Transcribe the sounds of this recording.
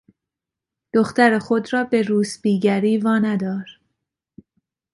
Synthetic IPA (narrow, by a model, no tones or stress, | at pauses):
d̪̥oxt̪æɾexod̪rɒːbe̞ɾuːsbiːɡæɾiːvɒːnæd̪ɒːɾ